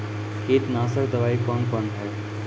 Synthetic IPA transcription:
keːt̪naːsəɾd̪ɐʋaːikɔːnkɔnɦɛj

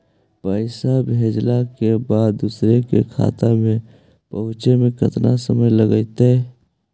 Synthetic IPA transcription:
pəɪsabʱeːd͡ʒlakebaːd̪̚d̪uːsɾekḛkʰa̰ːt̪amẽ | pəɦʊt͡ʃemẽkət̪nasəməjləɡəit̪e

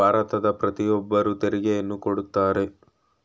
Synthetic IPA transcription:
aːɾɐt̪ɐd̪ɐpɾɐt̪ijɔbːɐɾut̪eɾiɡejɐnːukoɽut̪ːaːɾe̞

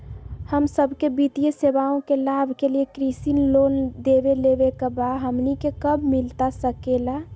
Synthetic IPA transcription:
həmsəbʱkebit̪ijesebaõkelabʱkeliekɾisinlond̪ebelebekəbaɦəmnikekəbʱmilt̪asəkela

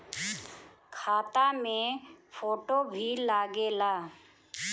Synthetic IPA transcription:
kʰaːt̪amẽpʰoːʈobʱilaːɡeːlaː

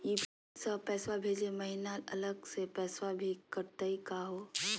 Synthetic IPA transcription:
iːbʱ | səpɛːswabʱeːd͡ʒemɐɦinalɐləɡsepɛːswabʱikəɾt̪aikaɦoː

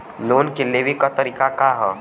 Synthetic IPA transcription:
loːnkelebʱikat̪əɾiːkakaɦɛ

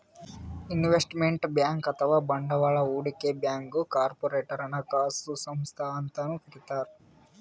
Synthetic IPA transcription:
inʋesʈmeɳʈbjaːŋkɐt̪ʰɐʋaːbɐɳɖɐʋaːɭɐuːɽikebjaːŋkukaːɾpoɾeːʈɐɾɐnɐkaːsusɐmst̪ʰaːnt̪ɐnukiɾit̪aːɾu

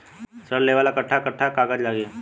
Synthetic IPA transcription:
səɽleʋaːlakəʈʰːakəʈʰːakakad͡ʑlaːɡeː

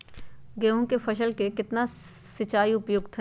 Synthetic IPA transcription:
ɡeːɦõkefɐʃəlkekɪt̪na | sɪt͡ʃaːiʊpjoːɡt̪ʰɐ

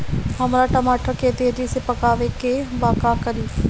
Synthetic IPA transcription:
ɦəmɾaʈəmaːʈʰakeːd̪eːdisepəkaːʋekebaːkakəɾiː

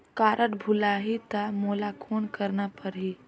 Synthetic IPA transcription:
kaːɾʔəʈbʱʊlaːɦit̪amoːlakʰoːnkəɾnapəɾɦi

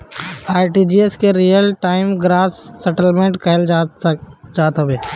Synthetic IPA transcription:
aːjʈid͡ʒieskeɾijəlʈaːɪmɡɾaːsːəʈəlmẽɳʈkʰɛɦɪl | d͡ʒaːt̪ɦəbeː

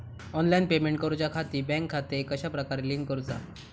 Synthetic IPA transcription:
ɔnlainpemeɳʈkəɾut͡ɕjakʰat̪iːbɛ̃ŋkʰːat̪ekəɕapɾəkaɾeliŋkkːəɾut͡sa̰

